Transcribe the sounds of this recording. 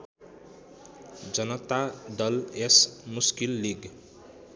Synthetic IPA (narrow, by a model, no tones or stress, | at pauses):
d͡zʌnʌt̪ad̪ʌlesmuskilːiɡ